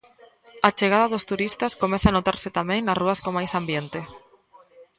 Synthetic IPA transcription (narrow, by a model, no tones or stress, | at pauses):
at͡ʃeɣ̞aðɐðost̪uɾist̪ɐskomɛθanot̪aɾsɪt̪amɛ̃ŋnɐsruɐskomajsambjent̪ɪ